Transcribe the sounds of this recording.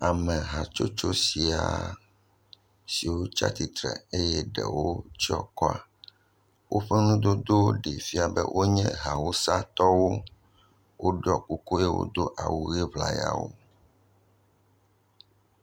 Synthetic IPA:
a˨mɛ̃˨ɦa˨t͡ʃo˦t͡ʃo˦si˨a˨ | si˨wo˦t͡ʃa̰˦t̪i˨t̪ɾɛ̰˨e˦jɛ˦ɖɛ̰˨wo˦t͡ʃi˦ɔ˦kɔ˦a̰˨ | wʔo˦ɸɛ˦nũ˦d̪o˦d̪o˦ɖe˨fi˦a˨bɛ̰˦wʔo˦ɲɛ̃˦ɦa˨wo˦sa˦t̪ɔ˦wo˦ | wo˦ɖɔ˦ku˦ko˦jɛ˦wo̰˦d̪o˦ʔa˨wu˦ɣe˦vla˨ja̰˨wo̰˦

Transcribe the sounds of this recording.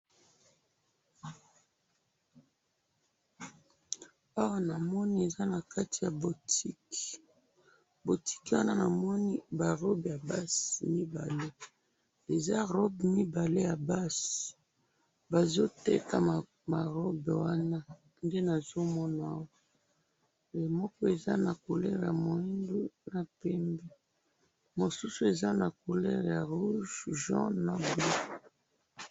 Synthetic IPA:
a˦wa˦na˨mɔ˦ni˦e˨za˦na˨ka˦ti˨ja˨bo˨tʰi˦k | bo˨tʰi̥˦kwa˦na˦na˨mɔ˦ni˦ba˨ʁɔ˦bja˨ba˦si˨mi˦ba̰˨le˦ | e˨za˦ʁɔ˦bmi˦ba˨le˦ja˨ba˦si̥˨ | ba˨zo˦tḛ˦ka˨ | ma˨ʁɔ˦bwa˦na˦ | nde˦na˨zo˦mɔ˦na˨˦˨wa˦ | le˨mɔ˦kɔ˦e˨za̰˦na˨ko˨lɛ˦ʁja̰˨mo˨i˦ndu˦na˨pɛ˦mbɛ˦ | mo˨su˦su˨˦e˨za˦na˨ko˨lɛ˦ʁja˨ʁu˦ʒʒã̰˦na˨b

